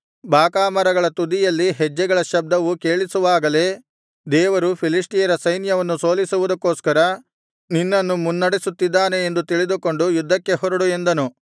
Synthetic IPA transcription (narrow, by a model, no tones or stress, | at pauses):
baːkaːmɐɾɐɡɐɭɐt̪ud̪ijɐlːiɦɛd͡ʒːɛɡɐɭɐʃɐb̚d̪ɐʋukeːɭisuʋaːɡɐle̞ː | d̪ɛːʋɐɾupʰiliʂʈijɐɾɐsɐjnjɐʋɐnːuso̞ːlisuʋud̪ɐkːo̞ːskɐɾɐ | ninːɐnːumunːɐɽisut̪ːid̪ːaːne̞end̪ut̪iɭid̪uko̞ɳɖujud̪ʱːɐkːe̞ɦɔɾɐɽue̞nd̪ɐnu